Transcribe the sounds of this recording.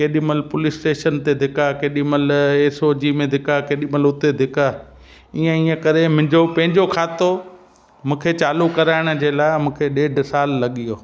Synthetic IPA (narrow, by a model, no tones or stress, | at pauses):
keːɗiməlpʊlɪsʈeːʃənt̪ed̪ʱɪkakeːɗɪməleːsod͡ʑiːmẽd̪ʱɪkʰakeːɗiməlʊt̪ed̪ʱɪka | iːə̃iːə̃kɐɾẽmʊ̃ɪ̃ɲd͡ʑopɐ̃ɦɪ̃ɲd͡ʑokʰaːt̪o | mũːkʰet͡ɕaːlukɐɾaːɪɽ̃ʊ̆d͡ʑeːlaːɪmũːkʰeɗeːɖsaːlːɐɠijoː